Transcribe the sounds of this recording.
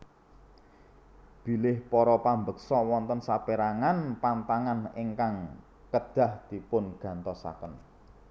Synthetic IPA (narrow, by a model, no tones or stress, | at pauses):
b̥i̤lɪhpɔɾɔpambək̚sɔwɔnt̪ɔnsapeɾaŋanpant̪aŋaniŋkaŋ | kəd̪̥a̤hd̪̥i̤pʊnɡ̥a̤nt̪ɔsa̰kən